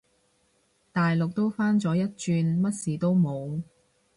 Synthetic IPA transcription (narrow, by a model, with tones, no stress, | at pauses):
t̪aː˨jlʊ˨k̚t̪o˥wfaː˥nt͡sɔː˨˥jɐ˥t̚t͡ʃyː˧nmɐ˥t̚siː˨t̪o˥wmo˨˧w